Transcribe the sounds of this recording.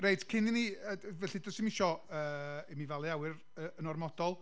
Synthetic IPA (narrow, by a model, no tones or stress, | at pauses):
rejtkʰɪniniəvɛɬɨdɔsɪmɪʃɔəːɛmivalˠiawɨɾ | əənɔrmɔd̥ɔlˠ